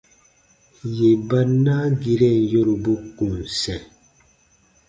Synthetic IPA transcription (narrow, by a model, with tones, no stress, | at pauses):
je˨ba˦nːa˦ɡi˦ɾɛ˦˨njo˦ɾu˨bu˦kũ˨n˨sɛ̃˨